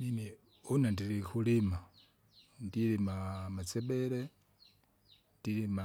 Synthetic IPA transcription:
nine | unandiɾixulima | ndilimamat͡sebele | ndiɾima

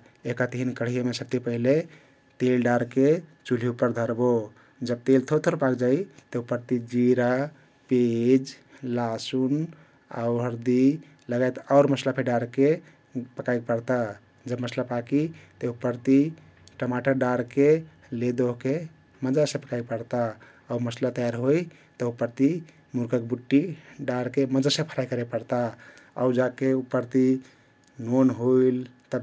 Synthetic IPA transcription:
ekat̪iɦinkəɽ̤ijomesək̚t̪ipəɦile | t̪elɖaɾket͡ʃuliupəɾd̪ʱəɾbo | d͡ʒəb̚t̪elt̪ʰot̪ʰoɾpakd͡ʒait̪eupəɾt̪id͡ʒiɾa | ped͡ʒ | lasun | a̰ʊɦəɾd̪i | ləɡajt̪aʊɾməslapʰeɖaɾke | pəkajk̚pəɾt̪a | d͡ʒəbməslapakit̪əupːəɾt̪i | ʈəmaʈəɾɖaɾke | led̪oɦke | məd͡ʒasẽpəkajk̚pəɾt̪aː | uməslat̪əjaɾɦoj | t̪əupːəɾt̪i | muɾkəkbuʈːiɖaɾkeməd͡ʒasẽpʰəɾajkəɾepəɾt̪aa̰d͡ʒakeupːəɾt̪i | nonɦoilt̪ə

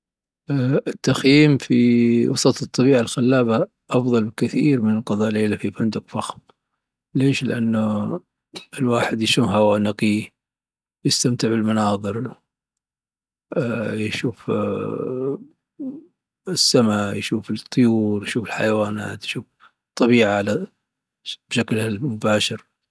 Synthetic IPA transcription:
ɪt̪ːaxjiːmfiwɑsˤɑt̪ˤɨt̪ˤːɑbiːʕalxalːaːba | ʔɑfðˤɑlbɪkɪθiːɾmɪnqɑðˤɑːʔleːlafifand̪ʊqfaxm | leːʃlɪ̰ʔanːa | ɪlwaːħɪd̪jʃuːfhawaːnaqi | jɪst̪amt̪ɪʕbɪlmanɑːðˤɨɾ | jʃuːf | ɪsːamajʃuːfɪt̪ˤːʊjuːɾjʃuːfɪlħa̰jawaːnaːt̪jʃuːf | t̪ˤːɑβiːʕaʕala | b̥ʃaklhamʊbaːʃɪɾ

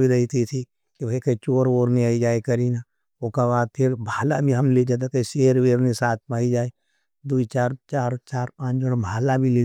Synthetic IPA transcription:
bʱiɾɐɦit̪ʰit̪ʰi | kibɐikɐit͡ʃoːɾoːɾniaːid͡ʒaːekɐɾina | okabaːd̪̚p̪ʰeɾbʱaːlabʱiɦɐmled͡ʒaːt̪̬at̪eʃeːɾʋeːɾnisaːt̪̚ʰmaːid͡ʒaːe | d̪uit͡ʃaːɾt͡ʃaːɾt͡ʃaːɾpãːt͡ʃd͡ʒoɽbʱaːlabʱile

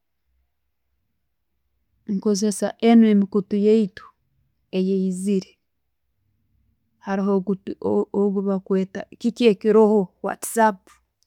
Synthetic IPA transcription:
ŋko̞ze̞saʔenue̞mikutujeitu̥ | ejeiziɾe | haɾiɦoɡutoɡuβakweːta̰kiceːkiɾohowa̰tsapu̥

